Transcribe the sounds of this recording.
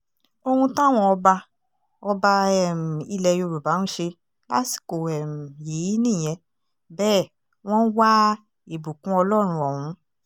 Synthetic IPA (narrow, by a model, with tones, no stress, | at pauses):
o˧hũ˧tã˦˨w̃ɔ̃˧ɔ˧ba˧ | ɔ˧ba˧ɛ˨m̩˨i˧lɛ˧jo˧ɾu˨ba˨˦nũ˦ʃe˧ | la̰˦si̥˨ko˨ɛ˨m̩˨ji˨˦i˦nĩ˦˨j̃ɛ̃˨˧˦ | bɛː˦˨ | w̃ɔ̃˦n̩˦wa˦ | e˨bu˨kũ˨˦ɔ˧lɔ˦ɾ̃ũ˧ɔ˨wũ˨˦